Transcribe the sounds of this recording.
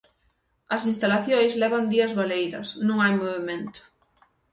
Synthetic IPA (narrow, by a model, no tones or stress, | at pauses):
ɐsinst̪alaθjõjzlɛβɐnd̪iɐzβalejɾɐ̰snũŋajmoβemẽnt̪ʊ̥